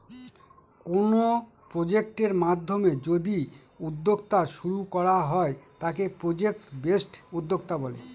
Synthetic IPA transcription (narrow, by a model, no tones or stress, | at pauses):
kono | pɾod͡ʑek̚ʈeɾmad̪ʱːomed͡ʑod̪i | ud̪ʱːoɡ̚t̪aʃuɾukɔɾaɦɔet̪akepɾod͡ʑek̚sbesʈud̪ːoɡ̚t̪abɔlḛ